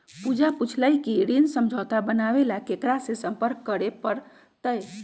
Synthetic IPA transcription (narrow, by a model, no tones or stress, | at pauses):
pud͡ʒaput͡ʃʰləjkiɾinsəmd͡ʒʱət̪abənabelakekɾasẽsəmpəɾkːəɾepəɾ | t̪əj